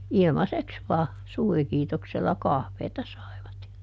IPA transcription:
ilmɑseks ʋɑː suːrikiːtokselːɑ kɑhʋeːtɑ sɑi̯ʋɑt jɑ

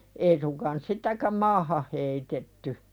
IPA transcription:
ei suŋkɑːn sitækæm mɑːhɑh heitetːy

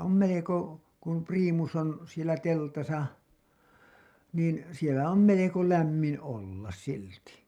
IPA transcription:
om meleko kum priːmus on sielæ teltɑsɑ niːn sielæ om meleko læmːin olːɑs silti

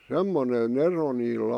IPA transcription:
semːonen ero niːlːæ

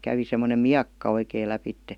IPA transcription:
kæʋi semːonem miɑkːɑ oikeˑĭ læpitːe

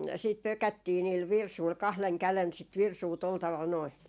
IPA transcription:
siːt pøkætːiː niːl ʋirsuil kɑhleŋ kælen sit ʋirsuː tol tɑʋɑl noi

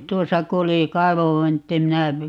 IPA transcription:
tuosɑ ku oli kɑiʋoʋːintːi minæ

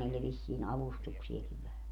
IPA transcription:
niːlːe ʋisːiːn ɑʋustuksiekiʋ ʋæhæ

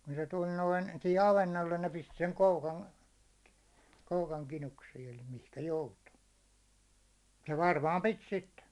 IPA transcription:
kun se tulʲ noin sihi ɑʋenːolːen ne pisti̥ seŋ koukɑn koukɑŋ kinuksiːn eli mihkæ joutu jɑ ʋɑrmɑːm pit sitːe

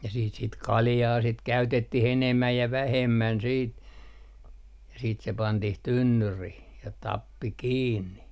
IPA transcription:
jɑ siːt sit kɑljɑː sit kæytetːih enemːæj jɑ ʋæhemːæn siːt jɑ siːt se pɑntih tynːyrih jɑ tɑpːi kiːnːi

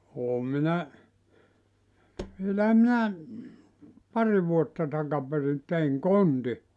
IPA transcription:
oːm minæ ʋielæhæ minæ pɑri ʋuotːɑ tɑkɑperin teiŋ konti

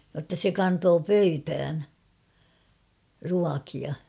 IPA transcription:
j̆otːɑ se kɑntoː pøytæːn ruɑkiɑ

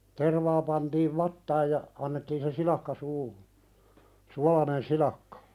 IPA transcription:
terʋɑː pɑntiːʋ ʋɑtːɑːj jɑ ɑnːetːiːn se silɑkːɑ suːhu suɑlɑnen silɑkːɑ̥

